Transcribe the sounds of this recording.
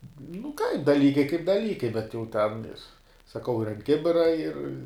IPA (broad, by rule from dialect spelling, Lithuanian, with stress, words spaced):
nʊ kɐɪp dɐˈlʲiːkɐɪ kɐɪp dɐˈlʲiːkɐɪ bʲɛt jɛʊ tʲɛn ɪr sɐˈkɐʊ ɪr ɐnt ˈkʲɪbʲɪrɐ ɪr